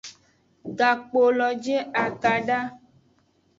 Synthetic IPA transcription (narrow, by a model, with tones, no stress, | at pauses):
ɡa˨k͡po˨lɔ˨d͡ʒe˦a˨ka˨ɖa˦